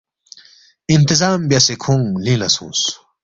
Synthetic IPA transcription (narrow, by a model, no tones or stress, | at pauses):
int̪izaːmbjɐsekʰũŋlĩːlɐ̰sṵ̃ːs